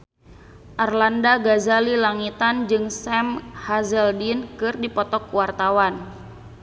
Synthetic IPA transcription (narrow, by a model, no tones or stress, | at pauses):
ʔarlandaɡazalilaŋit̪and͡ʒɨŋsɛmhazɛldinkɨrdipɔt̪ɔkuwart̪awan